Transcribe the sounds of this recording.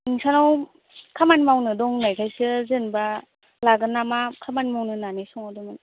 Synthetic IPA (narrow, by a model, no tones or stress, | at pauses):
ŋsanaw | kʰamanmawnɯdɔŋnajkʰajsɯzenba | laɡɯnamakʰamanmawnɯnanijsɔŋadɔŋn